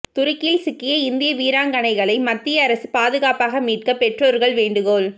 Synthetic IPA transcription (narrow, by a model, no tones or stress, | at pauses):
t̪ʊɾɪkːɪlsɪkːɪjɐɪnd̪ɪjɐʋiːɾaːŋɡɐnɐɪɣɐɭɐɪmɐt̪ːɪjɐːɾɐsɯpaːðɯɣaːpaːɣɐmiːʈ̚kɐpɛʈroːɾɣɐɭʋeːɳɖɯɣoːɭ